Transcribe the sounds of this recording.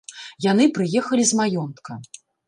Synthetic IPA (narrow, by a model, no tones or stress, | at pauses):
jan̪ɨpɾɨjɛxɐlʲizmajɔnt̪kɐ